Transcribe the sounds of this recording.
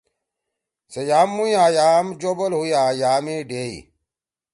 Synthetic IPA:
sejaːmːujajaːmd͡ʒobolhujaːjaːmeɖeḭ

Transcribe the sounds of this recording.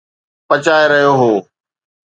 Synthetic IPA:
pɐt͡ɕaːeɾɐɦijoɦoː

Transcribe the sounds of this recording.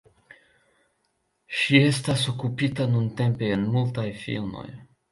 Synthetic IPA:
ʃie̞staso̞kupitanunte̞mpe̞ːnmultajfḭlmo̞̰j

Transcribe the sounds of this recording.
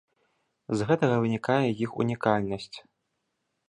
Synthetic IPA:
zɣɛt̪ɐɣɐvɨnʲikajɛjixṵnʲikalʲnɐsʲt͡sʲ

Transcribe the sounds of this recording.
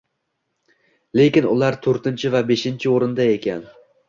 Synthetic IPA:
lekʲɪnʊ̰lˠaɾt̪ʰɵɾt̪ɪnt͡ʃʰɪvabeʃɪnt͡ʃʰɪoɾɨnd̪aekʲʰan

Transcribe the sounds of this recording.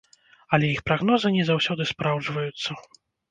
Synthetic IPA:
ɐlʲɛjixpɾaɣnɔzɨnʲɛzawsʲɔd̪ɨspɾawd͡ʐvɐjut̪sːɐ

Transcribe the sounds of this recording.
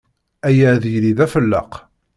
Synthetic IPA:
æjæðjliðæfəlːə̰q

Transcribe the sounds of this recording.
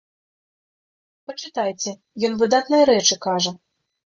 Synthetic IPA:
pɐt͡ʂɨt̪ajt͡sʲɛ | jɔnvɨd̪at̪nɨjɐɾɛt͡ʂɨkaʐɐ

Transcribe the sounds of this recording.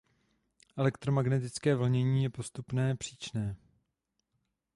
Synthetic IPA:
ʔɛlɛkt̪ɾomaɡnɛt̪ɪt͡skɛːvl̩ɲɛɲiːjɛpo̞st̪upnɛːpr̝̥iːt͡ʃnɛː

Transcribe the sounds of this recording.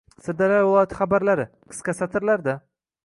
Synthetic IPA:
sɪd̪aɾaɒt̪ʰχabaɾlaɾɪ | qʰɨ̥skasat̪ʰɪɾlaɾd̪a

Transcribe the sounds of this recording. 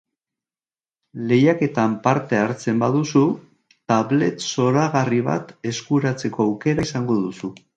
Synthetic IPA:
le̞jake̞t̪ampaɾt̪e̞aɾt͡se̞mbaðusu | t̪aβle̞t̪so̞ɾaɣariβ̞a̰t̪e̞skuɾat͡se̞ko̞awke̞ɾasaŋɡo̞ðusu

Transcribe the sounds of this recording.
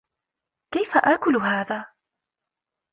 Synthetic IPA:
kajfaʔaːkʊlɦaːðaː

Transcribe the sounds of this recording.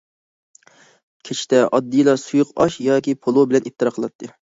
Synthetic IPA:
kʲʰet͡ʃʰi̥t̪ɛʔɑd̪ːɨjilˠɑsujʊqɑʃjɑːkʲipʰolˠobɪlɛnip̚t̪ɨɾɑqʰəlˠɑt̪ʰːɨ

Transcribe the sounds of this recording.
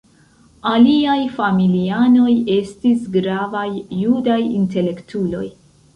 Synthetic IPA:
aliajfamiliano̞je̞stisɡɾavajːudajinte̞le̞ktʰulo̞̰j

